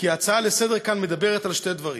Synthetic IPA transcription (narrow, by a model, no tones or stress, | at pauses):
kiat͡saalesed̪eʁkanme̞d̪abeʁet̪alʃte̞d̪vaʁḭ